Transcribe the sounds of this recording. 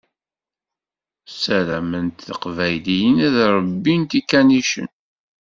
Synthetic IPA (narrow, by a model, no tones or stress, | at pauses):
sælæmənt̪θəqvæjlijənæðɾˤbːint̪ikːæniʃə̰n